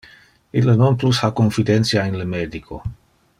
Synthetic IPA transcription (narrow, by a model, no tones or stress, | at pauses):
ilənonplushakonfid̪ent̪sjaenləmed̪ikʰo̰